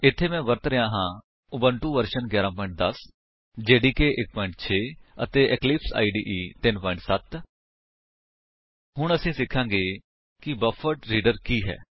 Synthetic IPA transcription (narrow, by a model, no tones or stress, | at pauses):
ɪt̪ʰːeːmɛ̃ːʋəɾt̪ɾəjãːɦãː | ʊbəɳʈuːʋəɾʃənɡjɛːɾãːpɔːɪ̃ɳʈ̚d̪əs | d͡ʒeːɖiːkeːʔɪk̚pɔːɪ̃ɳʈ̚t͡ʃʰeːə̰t̪eːʔɛklɪpsa̰ːiːɖiːʔiːt̪ɪnpɔːɪ̃ɳʈsət̪ | hʊɳ̃əsĩːsɪkʰːãːŋɡeː | kɪbəfʰəʈɾiːɖəɾkiːɦɛ̰ː